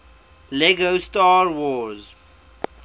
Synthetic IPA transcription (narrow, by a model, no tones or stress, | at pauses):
lɛɡostɑːɹwɔz